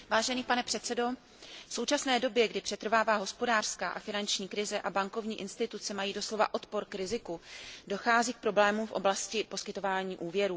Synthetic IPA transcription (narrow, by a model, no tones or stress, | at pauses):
vaːʒɛniːpanɛpr̥ɛt̪sɛdo̞ | fso̞wt͡ʃasnɛːdo̞bjɛɡdɪpr̥ɛt̪r̩vaːvaːɦo̞spo̞daːr̥skaːʔafɪnant͡ʃɲiːkɾɪzɛʔabaŋko̞vɲiːʔɪnst̪ɪt̪ut͡sɛmajiːdo̞slo̞va̰ʔo̞t̪po̞ɾkɾɪzɪkudo̞xaːziːk̚pɾo̞blɛːmumfʔo̞̰blascɪpo̞skɪt̪o̞vaːɲiːʔuːvjɛɾuː